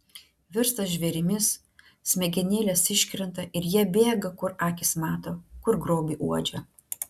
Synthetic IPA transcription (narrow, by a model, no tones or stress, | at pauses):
ʋʲɪɾst̪ɐsʒʲʋʲɛɾʲɪmʲɪs | sʲmʲɛɡʲɛnʲeːlʲɛsɪʃʲkʲɾʲɛnt̪ɐʔɪɾjiɛbʲeːɡɐkʊɾɑːkʲɪsmɑːt̪oːkʊɾɡɾoːbʲiːʔuɔd͡ʒʲɛ